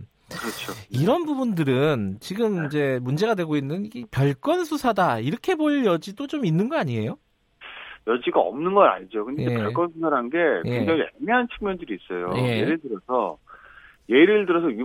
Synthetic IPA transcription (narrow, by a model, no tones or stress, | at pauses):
kɯɾʌt͡ɕʰoiɾʌnbubundɯɾɯnt͡ɕiɡɯmid͡ʑe̞mund͡ʑe̞ɡadwe̞ɡoinːɯnipjʌɭk͈ʌnsʰusʰadaiɾʌkʰe̞boɭjʌd͡ʑidot͡ɕominːɯnɡʌaɲie̞jo | jʌd͡ʑiɡaʌ̰mnɯnɡʌna̰ɲid͡ʑokɯnded͡ʑepjʌɭk͈ʌnsʰusʰaɾanɡe̞jeŋd͡ʑʌŋiḛmiɦant͡ɕʰɯ̥ŋmjʌndɯɾiːs͈ʌjoje̞jeɾɯɭdɯɾʌsʰʌ | je̞iɾɯɭdɯɾʌs̬ʰʌi